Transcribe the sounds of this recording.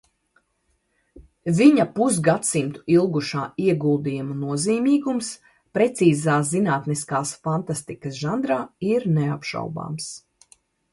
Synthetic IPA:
viɲapusɡat̪simt̪u̥ilˠɡuʃaːiɛɡulˠd̪iːjumunuɔziːmiːɡums | pɾɛt̪siːzaːzinaːt̪niskaːsfant̪ast̪ikəsʒand̪ɾaːiɾnɛapʃa̰wba̰ːms

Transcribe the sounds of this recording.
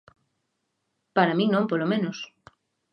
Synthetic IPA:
paɾamĩŋnõmpolomẽnos

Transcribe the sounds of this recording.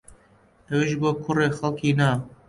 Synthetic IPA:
ɛweʒboːkʰʊreːxalkiːnaː

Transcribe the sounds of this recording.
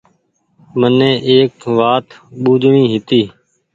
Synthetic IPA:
mənẽːʔeːkʋaːt̪ɓuːd͡ʒɳĩːɦɪt̪iː

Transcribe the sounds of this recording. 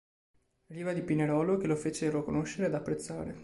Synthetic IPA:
riːvad̪ipineɾɔːlok̟elofeːt͡ʃeɾokonoʃeɾead̪apːɾet̪sːa̰ːɾe

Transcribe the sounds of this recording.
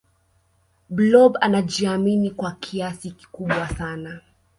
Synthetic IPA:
blɔbanaʄiaminikwakʰiasiki̥kuɓwasana

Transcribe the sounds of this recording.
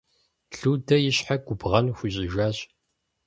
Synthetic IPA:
ɬuːdɐjɪɕħaɡʷʊbʁɐnxʷʊɕʼɪʒaːɕʼ

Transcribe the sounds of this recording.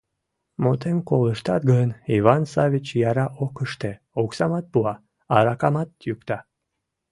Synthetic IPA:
mot̪emkoləʃt̪ɑt̪ɡənivɑnsɑvʲit͡ɕjɑɾɑʔokəʃt̪e | oksɑmɑt̪̚puɑ | ɑɾɑkɑmɑt̪ːjykt̪ɑ

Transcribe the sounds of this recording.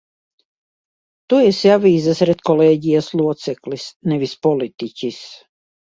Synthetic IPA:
t̪uɛsjavʲiːzasɾɛt̪kɔleːɟʲijaslˠuɔt̪sɛklisnɛvispɔlit̪icʲis

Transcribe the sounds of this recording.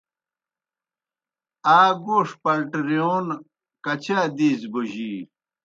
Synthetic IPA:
aːɡoːʂpɐlʈɾijoːn | kɐt͡ɕʰaːd̪iːzbuʑi

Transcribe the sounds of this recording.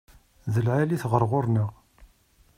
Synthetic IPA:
ðəlʕaliθʁəɾˤʁʊɾˤnəʁ

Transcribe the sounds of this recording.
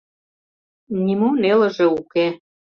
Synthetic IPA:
nʲimunelə̆ʒeuke

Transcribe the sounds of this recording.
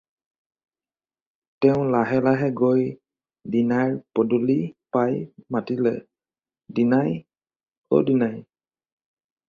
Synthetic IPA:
tɛʊ̃laɦɛlaɦɛɡoj | dinaɹpɔdulipajmatilɛ̰ | dinaj | o̰dinaj

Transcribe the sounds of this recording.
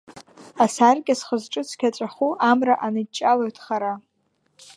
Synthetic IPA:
asarɡʲasχəzʈ͡ʂʼɨt͡sʷʰkʲat͡sʷʼaχuʔamraʔanɨt͡ʃʼaloɥtʰχaɾa

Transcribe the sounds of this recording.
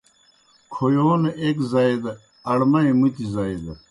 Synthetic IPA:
kʰojoːnekzɐed̪ɐ | ɐɽmɐimut̪izɐjd̪

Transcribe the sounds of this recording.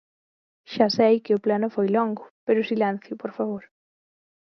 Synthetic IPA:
ʃasejkɪʊplanʊfojlɔŋɡʊpeɾʊsilɛ̃n̟θjʊpoɾfaβoɾ

